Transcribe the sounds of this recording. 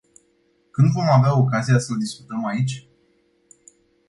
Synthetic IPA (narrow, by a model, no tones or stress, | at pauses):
kɨnd̪vo̞maveao̞kazijasəld̪isku̥t̪əmait͡ʃʲ